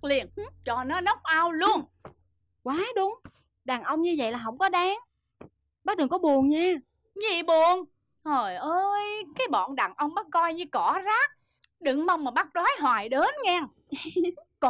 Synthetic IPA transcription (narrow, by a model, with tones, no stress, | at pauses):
li˨˩ən˦t͡ɕɔ˨˩nɔ˨˦nə˦˥wk͡p̚ʔaː˧wlu˧ən | kwaː˨˦ɗʊ˨˧˦ŋ͡m | ɗaː˨˩ŋʔə˧wŋ͡mɲɨ˧və̰˧˨jlaː˨˩ɦə˧˥wŋ͡mkɔ˨˦ɗaː˨˦ŋ | ɓaː˦˥t̚ɗɨ˨˩ŋkɔ˨˦ɓu˨˩əŋɲaː˧ | ɲḭ˨˧˨ɓu˨˩ən | zo˨˩jʔəː˧jkaː˨˦jɓɔ̰˧˨nɗaː˨˩ŋʔə˧wŋ͡mɓa˦˥t̚kɔ˧jɲɨ˧kɔ˧˩˦zaː˦˥k̚ | ɗɨ˧˨ŋmə˧wŋ͡mmaː˨˩ɓa˦˥t̚ɗwaː˨˦jɦwaː˨˩jɗeː˨˦nɲɛ˧ŋ | kɔ˧˨